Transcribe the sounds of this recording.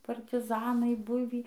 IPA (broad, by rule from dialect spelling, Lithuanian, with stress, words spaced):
pɐrʲtʲɪˈzɑːnɐɪ ˈbʊʋʲiː